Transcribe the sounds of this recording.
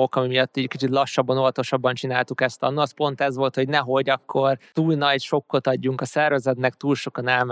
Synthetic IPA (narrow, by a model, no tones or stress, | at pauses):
okɒmimijɒt̪ːiːɟkit͡ʃit̪lɒʃːɒbːɒnoɦɒt̪o̞ʃɒbːɒnt͡ʃinaːlt̪ukɛst̪ɒ̰nːuɒspo̞nt̪ɛzʋo̞lt̪ho̞ɟnɛɦo̞ɟɒkʰːort̪uːlnɒɟʃo̞kːo̞t̪ɒɟːuŋkɒsɛrvɛzɛt̪nɛkt̪uːlʃo̞kɒnɛlm